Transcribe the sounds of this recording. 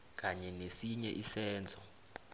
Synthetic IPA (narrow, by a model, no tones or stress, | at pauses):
k̬ʼaɲɛnesiɲɛʔisɛːnd͡zʱɔ